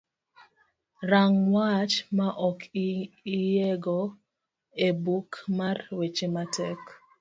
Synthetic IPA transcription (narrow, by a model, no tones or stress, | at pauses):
ɾaŋwat͡ʃmaʔɔkʰiijeɡo | ebukmarwet͡ʃematɛk